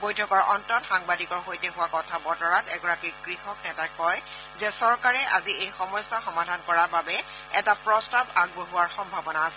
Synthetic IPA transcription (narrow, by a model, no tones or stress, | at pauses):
bojtʰɔkɔɹʔɔntɔtxaŋbadikɔɹxojtɛɦʊwakɔtʰabɔtɔɹatɛɡɔɹakiɹɡɹixɔknɛtakːɔj | zɛsɔɹkaɹɛʔa̰ziejxɔmɔjsːaxɔmadʱankɔɹaɹbabɛ | ɛtapɹɔstabaɡ̚boɦuwaɹxɔmbʱabɔnaːsɛ